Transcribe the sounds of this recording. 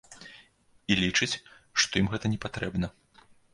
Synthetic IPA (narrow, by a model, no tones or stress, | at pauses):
ilʲit͡ʂɨt͡sʲʂt̪ɔjimɣɛt̪ɐnʲɛpat̪ɾɛbnɐ